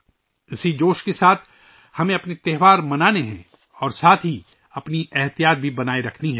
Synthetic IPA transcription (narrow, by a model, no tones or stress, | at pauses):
ɪsid͡ʒoːʃkesaːt̪ʰ | hɐmẽɐpnet̪ɛɦʋaːɾmɐnaːneɦɛ̰̃ | ɔːɾsaːt̪ʰɦi | ɐpniɛɦt̪ijaːt̪̚bʱibɐnaːeɾɐkʰniɦɛː